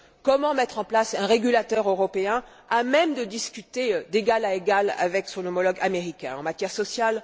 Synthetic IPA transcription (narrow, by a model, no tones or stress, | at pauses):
kɔmɑ̃mɛt̪χɑ̃plasɛ̃ʁeɡʲylat̪œʁøʁɔpeɛ̃ | amɛmd̪əd̪iskʲyt̪ed̪eɡalaeɡala̰vɛksɔ̃nɔmɔlɔɡameʁikʲɛ̰̃ɑ̃mat̪jɛʁsɔsjal